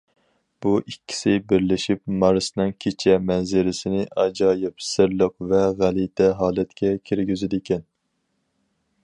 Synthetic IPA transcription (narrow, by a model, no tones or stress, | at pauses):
b̥uʔikʲːi̥sɪbɪɾlɪʃipmɑɾɨsnɨŋkʲʰet͡ʃʰɛmɛnzɪɾɪsɪnɪʔɑd͡ʒɑːjɪpsɪɾlˠəqvɛʁælit̪ʰɛɦɑːlˠɛt̪kʲʰɛkʲʰiɾɡʲyzɪd̪ɪkʲʰɛn